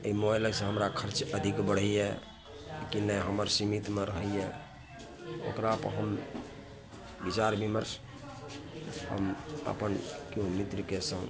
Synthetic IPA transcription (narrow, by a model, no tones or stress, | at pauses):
əimɔeləɡsə̃ɦəmɾakʰəɾt͡ʃəd̪ʱikbəɽ̤əjjɛ | kinəɦəməɾsimit̪meɾəɦəje | o̰kɾapɦəm | bit͡ʃaɾbiməɾs | hə̰mə̰pənkjõmit̪ɾkesə̃